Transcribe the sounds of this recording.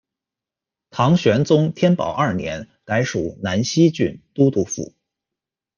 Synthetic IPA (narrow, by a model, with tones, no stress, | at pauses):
t̪ʰɑ˧˥ŋɕɥɛ˧˥nt͡sʊ˥ŋt̪ʰjɛ˥npɑ̰˨˩ʊʔɐ˞˥˩njɛ̰˧˥n | ka˧˥ɪʂu˨˩˦na˧˥nɕi˥t͡ɕy˥˩nt̪u˥t̪u˥˧fṵ˥˩